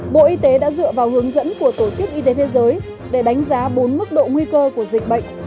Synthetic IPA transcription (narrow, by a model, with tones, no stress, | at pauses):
ɓo̰˧˨ʔi˧t̪e˨˦ɗa̰ː˧˥zɨ̰˧˨əvaː˨˩wɦɨ˨˦əŋzə̰˧˥nku˧˩ət̪o˧˩t͡ɕɨ˦˥k̚ʔi˧t̪̬e˨˦t̪ʰe˨˦zəː˨˦j | ɗe˧˩ɗa˨˦jŋ̟zaː˨˦ɓo˨˦nmɨ˦˥k̚ɗo̰˧˨ŋwi˧kəː˧ku˧˩əzï˨˩k̟̚ɓə̰˧˨jŋ̟